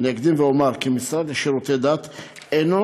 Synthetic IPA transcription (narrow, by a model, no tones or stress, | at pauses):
neɡd̪imvɛomaɾkimisɾad̪leʃiɾut̪ed̪at̪ | eno